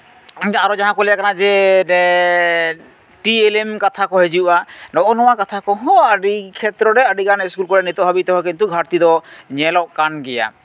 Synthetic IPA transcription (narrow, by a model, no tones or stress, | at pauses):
aɾɔd͡ʒaɦãkɔlɛjakanad͡ʒɛ | ʈielemkat̪ʰakɔɦed͡ʒuuʔanɔʔɔnɔwakat̪ʰakɔɦɔəɖikʰɛt̪ɾɔɾɛəɖikanɛskulkɔɾɛnit̪ɔɦabit̪ɔɦɔkint̪uɡʱaɾt̪id̪ɔɲɛlɔʔkanɡɛja̰